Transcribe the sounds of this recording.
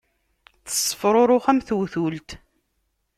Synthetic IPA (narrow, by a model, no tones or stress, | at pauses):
θə̥sˤːə̥fɾˤoɾˤoχæmθuwθult̪